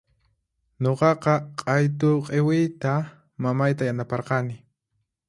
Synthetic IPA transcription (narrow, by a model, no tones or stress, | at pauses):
ɲoqɑqɑqʼɑjt̪ʊqʼewɪjt̪a | mamajt̪ajanapɑɾqɑnɪ